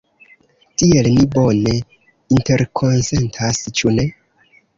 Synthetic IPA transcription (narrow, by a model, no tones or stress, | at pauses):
tielnibo̞ne̞ | inte̞ɾkʰo̞nse̞ntʰast͡ʃune̞